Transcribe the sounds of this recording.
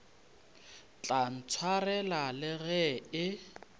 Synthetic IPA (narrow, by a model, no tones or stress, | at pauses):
t͡ɬʼan̩t͡sʰwarɛlalɪɣɛɪ